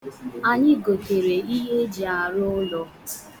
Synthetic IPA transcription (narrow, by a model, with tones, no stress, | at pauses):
a˨ɲɪ˦ɡo˨ke˨ɾe˨i˦ɦe˦d͡ʒi˨a˨ɾʊ˦lɔ˦